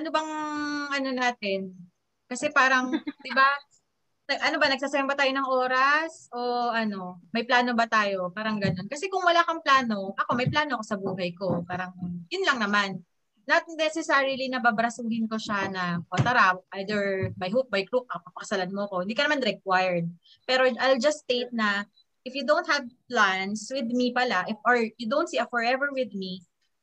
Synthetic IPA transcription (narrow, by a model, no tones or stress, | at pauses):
ʔɐnobɐŋʔɐno̞naːt̪ɛn | kɐsɛpaːɾɐŋd̪ɪba | nɐɡʔɐnobanɐɡ̚saːsɐjɐmbɐt̪aːjonɐŋʔo̞ːɾɐsʔoʔɐno̞mɐjplaːno̞bɐt̪aːjo̞paːɾɐŋɡɐno̞nkɐsɛkʊŋwɐlaːkɐŋplaːno̞ʔɐko̞mɐjplaːnoʔɐko̞sɐbuːɦɐjko̞paːɾɐŋjʊnlɐŋnɐmanː | ɐt̪̚nɛsɛsaɹɪlinɐbabɾɐsuːhɪnko̞ʃanɐpɐt̪ɐɾawʔajd̪ɛɹbɐjɦut̪̚bɐjkɾup̚ɐpɐpɐkɐ̥sɐlanmoɐko̞ɪnd̪ikɐnɐmanɾɛk̚wajɛɹd̪̚ | pɛːɾoʔajld͡ʒɐst̪ejt̪̚nɐ | ʔɪfjʊd̪õnt̪hɐvplanswɪd̪mipɐlaʔɪfɔɹjʊd̪ownt̪siːɐfɔɹɛvɛɹwɪd̪̚mi